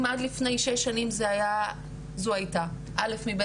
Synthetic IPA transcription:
madlifne̞jʃeʃːanimzeaja | zoajta | ʔale̞fmib

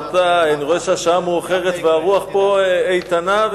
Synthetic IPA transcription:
t̪aaniʁoeʃeaʃamhuaχeʁet̪veaʁuaχpo̞ejt̪anav

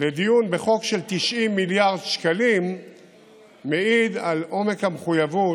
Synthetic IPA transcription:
led̪ijunbe̞χo̞kʃelt̪iʃʔimːiljaʁd̪ʃkalim | eid̪alʔo̞me̞khameχujavu

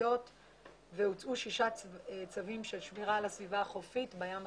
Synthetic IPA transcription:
o̞t | veut͡sʔuʃiʃat͡savimʃelʃmiʁalasvivaːχofitbajam

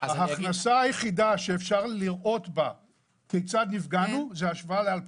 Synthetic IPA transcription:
aaχnasaajeχid̪aʃeːfʃaʁliʁʔo̞tba | kejt͡sad̪nifɡanuzeaʃvaalealp

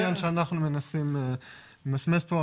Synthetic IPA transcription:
anʃeanaχnumenasim | masmespo

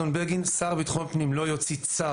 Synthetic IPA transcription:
onbeʁɡinsaʁbit̪χonpnimlo̞jot͡sit͡sa

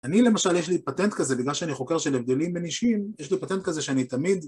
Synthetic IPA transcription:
anile̞maʃaljeʃ̬lipat̪ent̪kazebiɡlalʃeaniχo̞ke̞ʁʃelevd̪e̞limbeniʃimjeʃ̬lipat̪ent̪kazeʃeanit̪amid̪

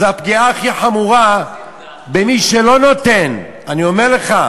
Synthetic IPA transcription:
zeapɡiaːχiħamuʁa | bemiʃe̞lo̞no̞t̪e̞n | anio̞meʁle̞χa

